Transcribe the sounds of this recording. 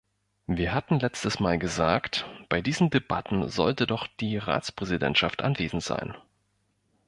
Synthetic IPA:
viːɐɦatn̩lɛt͡stəsmaːlɡəzaːktb̥aɪdiːzn̩deba̰tn̩zɔ̰ltədɔχd̥iːʁa̰ːt͡spʁ̥ɛzidɛ̰ntʃaftʔa̰nveːzn̩tz̥a̰ɪn

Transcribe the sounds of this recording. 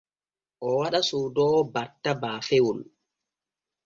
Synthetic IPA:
ʔɔwaɗasuːdɔbatːabaːfewul

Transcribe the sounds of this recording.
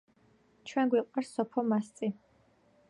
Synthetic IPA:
t͡ʃʰwɛnɡwiqʼwaɾsɔpʰɔmast̪sʼi

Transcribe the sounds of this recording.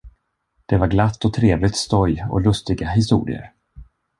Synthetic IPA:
d̪̥ɛvaɾɡlat̪ːɔt̪ʰɾeːvlɪt̪st̪ɔjɔ̰lɵst̪ɪɡaɦɪs̬t̪ṵːɾɪ̰ə̰ɾ

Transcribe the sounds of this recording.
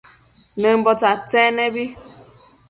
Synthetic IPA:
nem̩bɔtatɛnebi

